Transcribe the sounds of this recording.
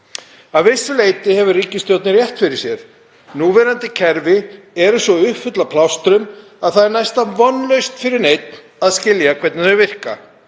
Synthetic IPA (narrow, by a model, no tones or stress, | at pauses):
avɪsʏleːjt̪ɪhɛvʏriːcɪst̪jowt̪nɪɾrjɛht̪fɪɾɪ̥sjɛɾ̥ | nuːvɛɾant̪ɪcʰɛɾvɪ | ɛɾʏsɔʏhpfʏt̪lapʰlawst̪ɾʏm | aðθaðɛɾnajst̪avɔnlœɥst̪fɪɾɪɾnejt̪n | aðscɪljakʰvɛt̪nɪœvɪr̥ka